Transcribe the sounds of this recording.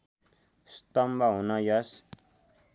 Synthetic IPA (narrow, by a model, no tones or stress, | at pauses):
st̪ambaunajas